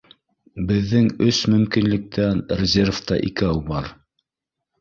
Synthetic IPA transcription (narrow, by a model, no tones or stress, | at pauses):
bɘ̆ðːɘŋɵsmɵ̆mkinlɘ̆k̚t̪ʰænrʲɪzʲerft̪ɑ̰ʔḭkæwbɑɾ